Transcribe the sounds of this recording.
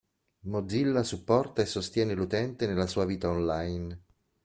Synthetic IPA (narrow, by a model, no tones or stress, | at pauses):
mod̪zilːasupːɔrt̪aesːost̪jɛːnelut̪ɛnt̪enelːasuːaviːt̪aonlajn